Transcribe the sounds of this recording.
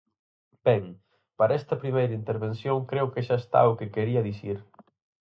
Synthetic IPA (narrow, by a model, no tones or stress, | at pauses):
b̥ɛŋ | paɾaɛst̪ɐpɾimejɾɐint̪eɾβensjoŋkɾewkeʃaest̪a̰ʊkekeɾiɐðisiɾ